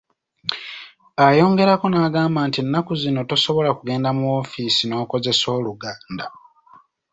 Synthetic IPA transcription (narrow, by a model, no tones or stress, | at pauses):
ajo̞ːŋɡe̞ɾako̞naːɡaːmbaːntinːakuzino̞toso̞βo̞lakuɡe̞ːndamuofisino̞ːko̞ze̞so̞ːluɡaːnda